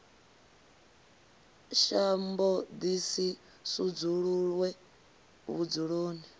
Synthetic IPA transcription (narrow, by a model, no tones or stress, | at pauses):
ʃambɔd̪isi | sud͡zuɺuɺwɛ | βud͡zuɺoːni